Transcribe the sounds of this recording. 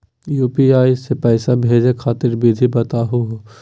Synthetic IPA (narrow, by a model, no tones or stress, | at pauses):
juːpiaːisepɛːsabʱeːd͡ʒekʰaːt̪ɪɾbid̪ʱibɐt̪aɦuɦo